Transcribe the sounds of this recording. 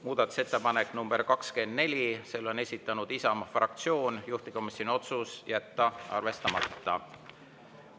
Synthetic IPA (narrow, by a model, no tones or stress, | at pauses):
muːd̪̥ɑt̪ːˑu̥se̞t̪ːˑepɑne̞kːˑnumb̥e̞ɾkɑkske̞nd̪ne̞lʲise̞lːo̞ne̞sʲit̪ːˑɑnud̪̥isɑmɑfrɑ̰k̚t̪sio̞ːnjuht̪iko̞misːonio̞t̪susjæt̪ːɑɑ̰rve̞st̪ɑmɑ̰t̪ːɑ̰